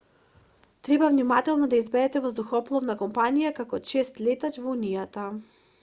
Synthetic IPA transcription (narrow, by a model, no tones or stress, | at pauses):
t̪ɾɛbavnimat̪ɛlˠnɔd̪aizbɛɾɛt̪ɛvɔzd̪uxɔplˠɔvnakɔmpanijakakɔt͡ʃɛst̪lɛt̪at͡ʃvɔunijat̪a